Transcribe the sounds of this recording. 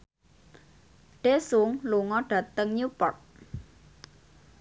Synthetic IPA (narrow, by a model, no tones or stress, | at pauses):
ɖ̥esuŋluŋɔɖ̥ä̤t̪əŋɲupɔrt̪̚